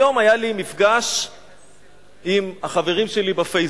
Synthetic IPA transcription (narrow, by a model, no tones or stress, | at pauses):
o̞majalimifɡaʃ | imaχave̞ʁimʃe̞libafej